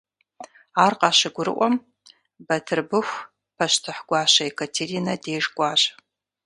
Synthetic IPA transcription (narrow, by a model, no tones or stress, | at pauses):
aːrqʼɑɕɪɡʷʊɾɨ̰ʔʷɔm | bɐtʰɨrbɨxʷ | pʰɐʃtʰɨħɡʷɑːɕɐekʰɐtʰeɾiːnɐdeːʐɡʷʼaːɕ